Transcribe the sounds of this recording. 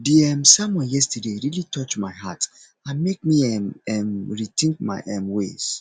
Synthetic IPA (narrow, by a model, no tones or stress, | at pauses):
diɛmsamwɛ̃njɛstədeɹilitʰɔt͡ʃmaɪɦat | ãnmek̚miɛmɛmɹitʰĩŋk̚ma̰ɪʔɛmwḛs